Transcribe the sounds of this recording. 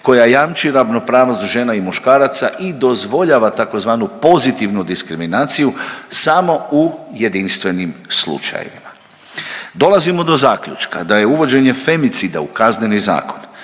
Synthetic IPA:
ko̞jajamt͡ʃiɾaʋno̞pɾaːʋnost̪ʒe̞naimuʃkaːɾat̪saʔid̪o̞zʋo̞ʎaʋat̪ako̞zʋaːnupo̞zit̪iʋnud̪iskɾiminaːt̪sijusamo̞uje̞d̪inst̪ʋe̞nimslṵt͡ʃa̰jḛʋḭma | d̪o̞lˠazimo̞d̪o̞zaːkʎṵt͡ʃka̰d̪aje̞uʋo̞d͡ʑe̞ɲe̞fe̞mit̪sid̪aukazneniza̰ːko̞n

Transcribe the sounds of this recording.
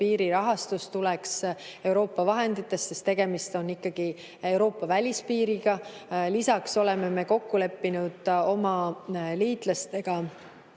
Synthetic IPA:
piːɾiɾɑɦɑst̪ust̪ulɛkse̞wɾo̞ːpːɑvɑɦe̞nd̪̥it̪ːˑe̞st̪sest̪ːe̞ɡ̥e̞mist̪o̞nːikːɑɡ̥i | e̞wɾo̞ːpːˑɑvælʲispiːɾiɡ̥ɑlisɑkso̞le̞me̞me̞ko̞kːule̞pːinud̪̥o̞mɑliːt̪lɑst̪e̞ɡ̥ɑ

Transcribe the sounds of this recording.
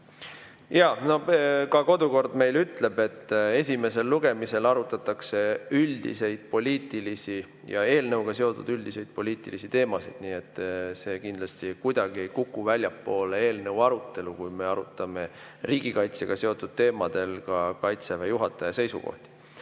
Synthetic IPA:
jɑno̞kɑko̞d̪uko̞rd̪̥me̞jlyt̪le̞b̥e̞t̪ːˑe̞s̬ʲime̞se̞lːuɡ̥e̞mise̞lɑɾut̪ːˑɑt̪ːˑɑkse̞yld̪ḭse̞jd̪̥̚po̞lʲiːt̪ilisi | jɑ̰e̞ːlnəwɡ̥ɑse̞o̞t̪ṵd̪̥yld̪̥ise̞jd̪̥̚po̞lʲiːt̪ˑilisit̪e̞ːmɑsid̪̥niːe̞t̪ːˑse̞ːkind̪lɑst̪ikujd̪̥ɑɡ̥ie̞jkukːˑuvælʲjɑpːˑo̞ːlee̞ːlnəwɑɾut̪ːe̞lukujme̞ɑɾut̪ːˑɑme̞ | riːɡ̥ikɑjt̪seɡ̥ɑse̞o̞t̪ːˑud̪̥̚t̪e̞ːmɑd̪̥e̞lkɑkɑjt̪sevejuɦɑt̪ːˑɑjɑse̞jsṵko̞̰ht̪i̥

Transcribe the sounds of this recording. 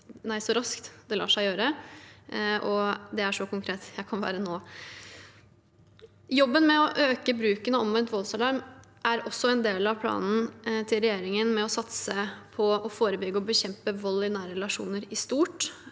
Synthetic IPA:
næɪsɔɾɑskt̪d̪ɛlɑ̰ːʂæɪjøːɾə | ʔɔd̪ɛæʂɔkʊŋkʰɾeːt̪jæɪkʰɑnʋæ̰ːɾənoː | jɔbːənmɛɔʔøːkəbɾʉːkənɔɔmʋɛnt̪ʋɔlsɑlɑɾmʔæɾɔsːɔɛnd̪eːlɑʋpʰlɑ̰ːnn̩t̪ʰɪlɾɛjeːɾɪŋənmɛɔsɑt̪səpʰɔɔfoːɾəbʏɡəɔbəçɛmpəʋɔlːɪnæːɾəɾɛlɑʂṵːnəɾɪst̪uːʈ

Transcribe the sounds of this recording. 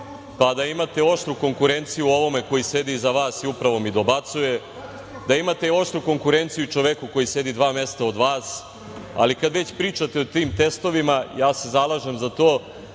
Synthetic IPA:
pad̪aimat̪e̞o̞ʃt̪ɾuko̞ŋkuɾe̞nt̪sijuo̞ʋo̞me̞ko̞jise̞d̪izaʋaːsiupɾaʋo̞mid̪o̞bat̪suje̞ | d̪aimat̪eo̞ʂt̪ɾuko̞ŋkuɾent̪sijut͡ʃoʋekuko̞jise̞d̪id̪ʋaːmest̪ao̞d̪ʋaːs | a̰likad̪ʋe̞t͡ɕpɾiːt͡ʂat̪eot̪iːmt̪e̞st̪o̞ʋimajaːse̞zalˠaːʒemzat̪oː

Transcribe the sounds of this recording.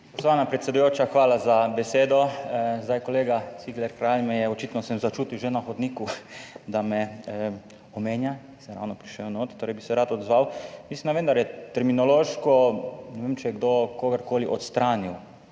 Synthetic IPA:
pɔst̪ʋaːnapɾɛt̪sʲɛd̪ujoːt͡ʃaxʋaːlazabɛseːd̪ɔzd̪ajkɔleːɡasiɡlɛɾkɾalmɛjɛɔt͡ʃit̪nɔsɛmzat͡ʃuːt̪iwʒenaxɔd̪niːkud̪amɛ | ɔmeːnja | sɛɾa̰wnɔpɾiʃɛwnoːt̪t̪ːoːɾɛjbisɛɾaːt̪ɔd̪zʋawmislind̪aʋend̪aɾjɛt̪ɛɾminɔloːʃkɔnɛʋemt͡ʃɛjɛɡd̪okoːɡəɾkoːliʔɔt̪st̪ɾaːniw

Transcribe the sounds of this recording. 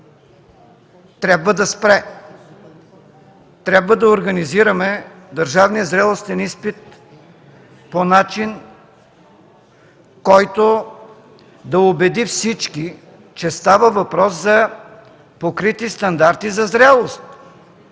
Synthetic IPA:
t̪ɾʲabvəd̪ɐspɾɛ | t̪ɾʲabvəd̪ɐoɾɡɐniziɾəmɛ | d̪ɐɾʒavnijəzɾɛlˠost̪ɛnispit̪̚ | ponat͡ʃin | kɔjt̪o | d̪ɐobɛd̪ifsit͡ʃki | t͡ʃɛst̪avəvɐpɾɔszɐ | pokɾit̪ist̪ɐnd̪aɾt̪izɐzɾɛlˠost̪̚

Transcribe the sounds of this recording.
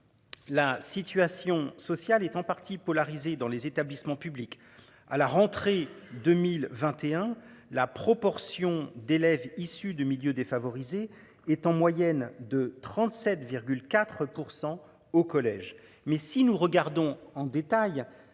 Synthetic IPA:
lasit̪ɥasjɔ̃sɔsjalɛt̪ɑ̃paʁt̪ʰipɔlaʁized̪ɑ̃lezet̪ablismɑ̃pyblik | a̰laʁɑ̃t̪χed̪ømilvɛ̃t̪eɛ̃lapχɔpɔʁsjɔ̃d̪elɛvisyd̪əmiljød̪efavɔʁize | ɛt̪ɑ̃mwajɛnd̪ət̪χɑ̃t̪sɛt̪viʁɡʲylkʲat̪χpuʁsɑ̃ | okɔlɛʒ | mɛsinuʁəɡaʁd̪ɔ̃ɑ̃d̪et̪aj

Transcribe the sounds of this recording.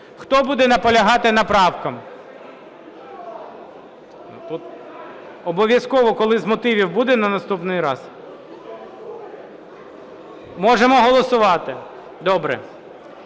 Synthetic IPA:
xt̪ɔbud̪ɛnɐpɔlʲɐɦɑt̪ɪnɐpɾɑwkɐm | nut̪ut̪ | ɔbɔʋʲjɐskɔʋɔkɔlˠɪzmɔt̪ɪʋʲiwbud̪ɛnɐnɐst̪upnɪjɾɑ̰z | mɔʒemɔɦɔlˠɔsʊʋɑt̪ɪ | d̪ɔbɾɛ̰

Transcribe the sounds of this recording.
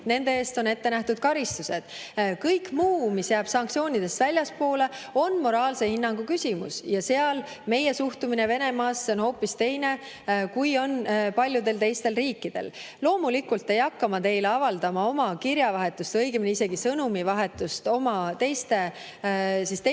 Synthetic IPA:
ne̞nd̪̥e̞eːst̪o̞ne̞t̪ːe̞næht̪ud̪̥̚kɑɾist̪use̞d̪̥kɤjkmuːmisjæːb̥sɑŋktsio̞ːnʲid̪̥e̞st̪vælʲjɑspo̞ːle̞o̞nmo̞ɾɑːlse̞hinːɑŋɡ̥ukysʲimṵsjɑse̞ɑl | me̞je̞suht̪umine̞ve̞ne̞mɑːsːeo̞nho̞ːpːist̪e̞jne̞ | kujo̞npɑlʲjud̪e̞lt̪e̞jst̪e̞lriːkːid̪̥e̞̰l | lo̞ːmulikːult̪ːe̞jɑkːɑmɑt̪e̞jleɑvɑld̪̥ɑmɑo̞mɑkiɾjɑvɑɦe̞t̪ːˑust̪ɤjɡ̥emineise̞ɡisɤnumivɑɦe̞t̪ːˑust̪o̞mɑt̪e̞jst̪e̞ | sist̪e

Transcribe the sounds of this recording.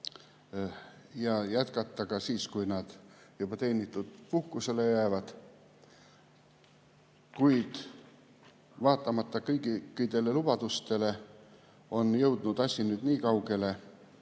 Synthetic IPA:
jɑjæt̪kɑt̪ːɑkɑsiːskujnɑd̪̥jub̥ɑt̪e̞jnʲit̪ːˑud̪̥puhkuse̞le̞jæːvɑd̪̥ | kujd̪̥ | vɑːt̪ːˑɑmɑt̪ːɑkɤjɡikːid̪e̞le̞lub̥ɑd̪̥ust̪e̞le̞ | o̞njɤwd̪̥nud̪̥ɑsʲinyːd̪̥niːkɑwɡe̞le̞

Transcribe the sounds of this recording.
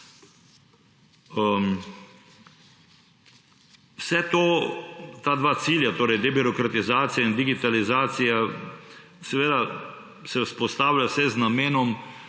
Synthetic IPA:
əm | wsɛt̪oːt̪aːd̪ʋaːt̪siːljat̪oːɾɛjd̪ɛbiɾɔkɾat̪izaːt̪sijaind̪iɡit̪alizaːt̪sija | sɛʋeːd̪a | sɛwspɔst̪aːwlʲjawsɛznameːnɔm

